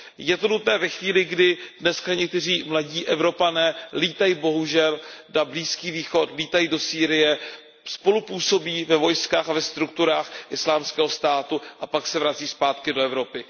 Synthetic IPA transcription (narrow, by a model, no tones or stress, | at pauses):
jɛt̪o̞nut̪nɛːvɛxviːlɪɡdɪdnɛskaɲɛk̚t̪ɛr̝iːmlaɟiːʔɛvɾo̞panɛːliːt̪ajibo̞ɦuʒɛldabliːskiːviːxo̞t̪liːt̪ajidosiːɾɪjɛ | spo̞lupuːso̞biːvɛvo̞jskaːxavɛst̪ɾuk̚t̪uɾaːxʔɪslaːmskɛːɦost̪aːt̪uʔapaksɛvɾat͡siːspaːt̪kɪdoɛvɾo̞pɪ